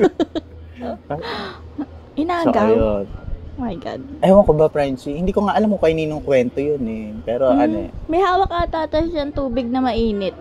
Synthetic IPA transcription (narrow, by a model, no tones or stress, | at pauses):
ʔɪnaːʔajonmɐjɡa̰d̪̚ʔɐjmokobapɹɛnt͡ʃihɪnd̪iːkoŋaʔɐlamkokɐjninoŋkwɛnt̪ojonɛpɛːɾoʔɐno̰mɐjhaːwɐkːɐt̪aːt̪ɐʃɐɐŋt̪uːbɪɡ̚nɐmɐʔiːnɪt̪̚